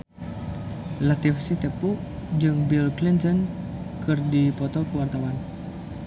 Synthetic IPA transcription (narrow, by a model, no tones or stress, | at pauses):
lat̪ifsiht̪ɛpuʔ | d͡ʒɨŋbilklint̪ɔn | kɨrdipɔt̪ɔkuwart̪awan